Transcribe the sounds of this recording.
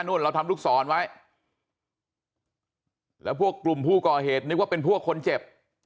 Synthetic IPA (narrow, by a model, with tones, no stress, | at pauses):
nu˥˩ənɾa˧wt̪ʰa˧mluː˥˩k̚sɔː˩˦nwa˦˥j | lɛ̰ː˦˥wpʰu˥˩əkːlu˨˩mpʰuː˥˩kɔː˨˩ɦeː˨˩t̪̚nɯ˦˥k̚waː˥˩pe˧npʰu˥˩əkʰːo˧nt͡ɕe˨˩p̚